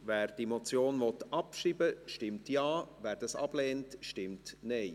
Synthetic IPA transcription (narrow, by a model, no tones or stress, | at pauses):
ʋæːɾd̥imɔt͡sjoːnʋɔt̪ɑpʃiːbəʃtɪmtjɑːvæːɾd̥ɑsɑ̰b̥lɛːntʃtɪmtnɛɪ